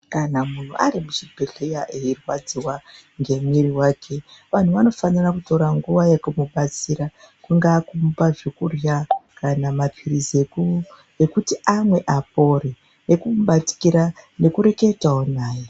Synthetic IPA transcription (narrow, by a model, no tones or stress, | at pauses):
kanamun̤ṵʔa̰ɾimuʐibʱeɮejaʔeirwad͡ziwa | ŋɡe̞mwiɾiwaːkʰeʋan̤uʋano̞fanirakuto̞ɾaŋɡuʋajekumuɓat͡siɾa | kuŋɡaːkumpaʐekurjakanamapʰiɾize̞ku | ekutiamwe̞ʔap̚o̞ɾe | ne̞kumuɓati̥kiɾane̞kuɾe̞ke̞taɦonaːje